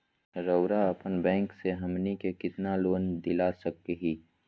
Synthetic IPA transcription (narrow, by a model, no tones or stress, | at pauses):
ɾəʊɾaɐpənbɛ̃ːŋkseɦɐmnikekɪt̪naloːnd̪ɪlasɐk̚eɦiː